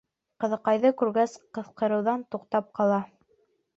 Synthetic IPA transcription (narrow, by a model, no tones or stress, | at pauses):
qɤ̆ðɤ̆qɑjðɤkʉɾɡæsqɤ̆θqɤ̆ɾɤ̆wðɑnt̪uqt̪ɑp̚qɑlˠɑ